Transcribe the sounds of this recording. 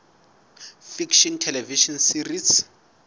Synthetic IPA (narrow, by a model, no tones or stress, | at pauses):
fikʃɔntʰɛlɛviʃɔnsiris